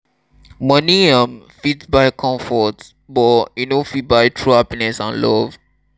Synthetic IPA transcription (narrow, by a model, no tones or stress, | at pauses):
mʌniãm | fitbaɪkʰɔ̃ɱfɔt | bɔinofit̚baɪtʰɹuhapinɛsã̰nlɔv̥